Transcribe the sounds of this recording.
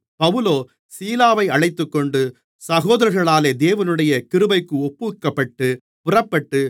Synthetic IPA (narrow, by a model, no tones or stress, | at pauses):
pɐʋɯloː | siːlaːʋɐɪɐɻɐɪt̪ːɯkːɔɳɖɯ | sɐɣoːðɐɾɐɾɣɐɭaːleːd̪eːʋɐnɯɽɐjɐkɪɾɯbɐɪkːɯɔpːɯkːɐpːɐʈːɯ | pʊrɐpːɐʈːɯ